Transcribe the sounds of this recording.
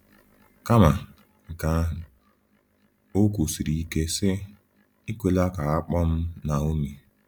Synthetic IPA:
ka˦ma˨ | ŋ̩˨ka˨˦˨ | o˦ku˨si˨ɾi˨i˦ke˦sɪ˦ | i˦kʷe˦la˦ka˨a˦k͡pɔ˦m̩˦na˨o˦mi˨

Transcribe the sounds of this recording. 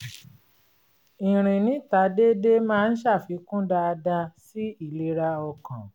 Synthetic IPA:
ĩ˨ɾ̃ĩ˨nĩ˨˦ta˨˦de˦de˦mãː˦˧n̩˦ʃa˦˨fi˨˧˦kũ˦da˧da˧si˦i˦˨le˧ɾa˧ɔ˧kã˨

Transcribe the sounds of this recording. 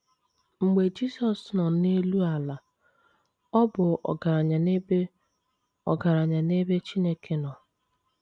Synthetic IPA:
ŋ͡m̩˨ɡ͡be˨d͡ʒi˦sɔ˨snɔ˨ne˦lu˦a˨la˨ | ɔ˦bʊ˨ɔ̰˨ɡa˨ɾa˨ɲa˨ne˦be˦ | ɔ̰˨ɡa˨ɾa˨ɲa˨ne˦be˦t͡ʃi˦ne˦kʰe˦nɔ˨

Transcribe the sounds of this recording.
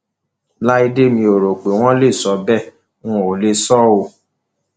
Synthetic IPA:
la˦i˧de˦mĩ˧o˨ɾo˨k͡pe˨w̃ɔ̃˦le˦˨sɔ˨˦bɛ˦˨ | ŋũ˦˨o˨le˧sɔ˦o˧

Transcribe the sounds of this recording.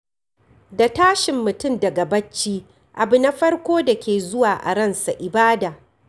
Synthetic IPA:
da˨taː˦ʃɪ˨mːʊ˨tʊ˦˨mdɐ˨ɡa˨bɐ˦t͡ʃːiː˦ | ʔa˨bʊ˨na˦ɸɐ˦rkʷoː˦da˨kʲʰeː˨zʊ˦waː˨ʔa̰˨ɽɐ˦nsa˨ʔɪ˨baː˦daː˨

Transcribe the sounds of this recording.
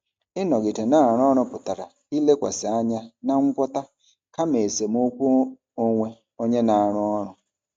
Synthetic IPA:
ɪ˦nɔ˨ɡɪ˨te˨na˦a˨ɾʊ˦ɔ˦ɾʊ˦pʊ˨ta˨ɾa̰˨ | i˦le˦kʷa̰˨sɪ˨a˦ɲa˦na˦ŋ̩˦kʷɔ˦ta˦ | ka˦me˨se˨m˦o˦kʷu˦ | o˦ŋʷe˦ | o˦ɲe˦na˨a˨ɾʊ˦ɔ˦ɾʊ˨

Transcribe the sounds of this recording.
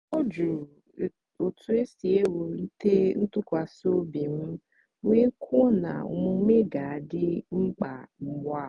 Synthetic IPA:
o˦d͡ʒu˨ | o˨tʰʊ˨e˦si˨e˦wo˨n̩˦te˦n̩˦tʊ˦kʷa˨so˦bi˨m̩˦ | ŋʷe˦kʰu˦na̰˨ʊ̰˨mʊ˨˦me˦ɡa˨a˨dɪ˦ŋ͡m̩˦k͡pa˨ŋ͡m̩˨ɡ͡bʷa˦˨

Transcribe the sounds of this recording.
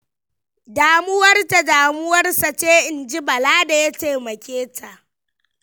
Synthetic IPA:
daː˨mʊ˦wɐ˦rta˨daː˨mʊ˦wɐ˦rsa˨t͡ʃeː˦ʔɪ˨nd͡ʒi˦bɐ˨laː˦da˨ja˦teː˨mɐ˨kʲeː˦tʰa˨ʔ

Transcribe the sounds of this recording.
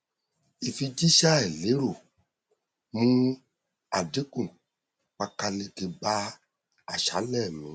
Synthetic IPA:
i˨fi˧d͡ʒi˦ʃa˦ɛ˨le˨˦ɾo˨ | mũ˦ | a˨de˨˦kũ˦˨ | k͡pa˧ka˧le˧ke˧ba˦ | a˦˨ʃa˨˦lɛ˦˨mĩ˨˦

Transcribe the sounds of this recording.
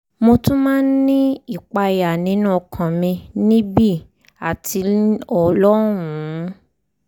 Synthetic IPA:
mo˧tũ˦mãː˦n˦nĩ˦i˦˨k͡pa˧ja˨nĩ˨˦nũ˦˨kʰã˨mĩ˧nĩ˦bi˦˨ | a˨tʰi˧ɔ˨lɔ˦ɾũ˨˦

